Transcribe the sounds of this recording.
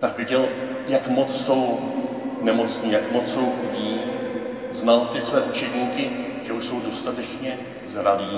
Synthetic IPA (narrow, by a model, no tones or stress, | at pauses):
t̪akvɪɟɛl | jakmo̞t͡sso̞w | nɛmo̞t͡sɲiːjakmot͡sso̞wɟiː | znalt̪ɪsvɛːʔut͡ʃɛdɲiːkɪʒ̥ɛuʃso̞wdo̞st̪at̪ɛt͡ʃɲɛ | zɾaviː